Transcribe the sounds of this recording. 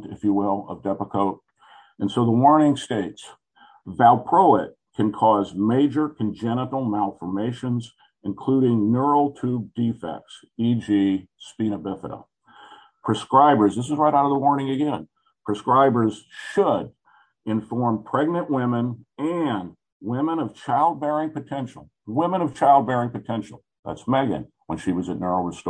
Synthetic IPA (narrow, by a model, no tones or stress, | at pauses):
ɨ̰fjɨwɪlˠʌ̰vdɛpəkʰoʊt̚ | ɨ̃nsoʊðəwɔɹnɪ̃ŋsteɪts | vælˠpʰɹ̥oʊɪt̚kʰɨ̃nkʰɔzmeɪd͡ʒə˞kʰɨ̃n̩d͡ʒɛnəɾl̩ˠmælˠfə˞meɪʃɨ̃nz | ɨ̃nkʰl̥uɾɪ̃ŋnə˞l̩ˠtʰʉb̚difɛ̰k̚ts | id͡ʒispĩñɨbɪfə̰ɾə̰ | pʰɹ̥ɨskɹaɪbə˞zðɪs̬ɨzɹaɪɾaʊɾʌvðəwɔɹnɪ̃ŋɨɡɛ̃n | pʰɹ̥ɨskɹaɪbə˞z̥ʃəɾ | ɨ̃ɱfɔɹmpʰɹ̥ɛɡ̚nɨ̃nʔwɪ̃mɨ̃nɨ̃n | wɪ̃mə̃ñʌv̥t͡ʃʰaɪlˠd̚bɛɹɪ̃ŋpɨtʰɛ̃nʃl̩ˠwɪ̃mə̃ɾ̃ʌv̥t͡ʃʰaɪlˠd̚bɛɹɪ̃ŋpɨtʰɛ̃nʃl̩ˠ | ðæ̰tsmɛɡɨ̰̃n | wə̃nʃiwʌzɨtⁿnɜ˞ol̩ˠɹəst